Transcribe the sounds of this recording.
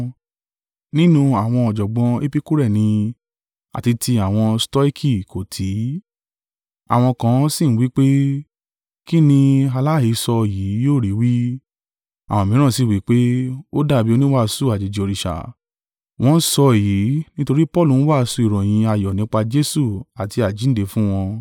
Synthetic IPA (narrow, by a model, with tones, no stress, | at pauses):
nĩ˦nũ˧a˨w̃ɔ̃˧ɔ˨d͡ʒɔ˨ɡ͡bɔ̃˧e˦pi˦ku˦ɾɛ˦˨nĩ˧ | a̰˨ti˧tʰi˧a˨w̃ɔ̃˧stɔ˦i˦kʰi˦˨ko˨tʰi˨˦ | a̰˨w̃ɔ̃˧kã˧˦si˦˨n̩˦wi˦k͡pe˦ | ki˦nĩ˧a˧la˦i˨˧˦sɔ˧˨jiː˨˦joː˦˨ɾi˨˦wi˦ | a̰˨w̃ɔ̃˧mĩ˨˦ã˦˨si˦˨wi˨˦k͡pe˦o˦da˦˨bi˦o˧nĩ˦wa˦˨˧su˦˨a˨d͡ʒe˨d͡ʒi˨o˧ɾi˧ʃa̰˨ | w̃ɔ̃˧˦sɔ˧˨ji˨˦nĩ˦to˧ɾi˦pɔ˦˨lũ˨˦wa˦˨˧su˧i˨ɾɔ̃˨j̃ĩ˧a˨jɔ˨nĩ˨˦k͡pa˧d͡ʒe˦su˦˨a˨ti˧a˨d͡ʒi˨˦n̩˦de˨˧˦fũ˦w̃ɔ̃˧